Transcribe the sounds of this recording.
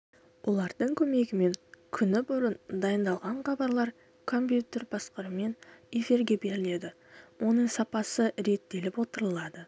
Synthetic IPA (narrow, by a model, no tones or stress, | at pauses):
wʔo̞lˠɑɾd̪əɴkʲʰɵme̞ɡʲɪme̞ŋkʲʰʏnɪbʊɾənd̪ɑjənd̪ɑlˠʁɑɴχɑbɑɾlˠɑɾ | kʰo̞mpjut̪e̞rbɑsqəɾəme̞ne̞fiɾɡʲe̞be̞ɾɪle̞d̪ɪ | wʔo̞nəɴsɑpɑsəɾe̞t̪ːe̞lɪpwo̞t̪əɾəlˠɑd̪ə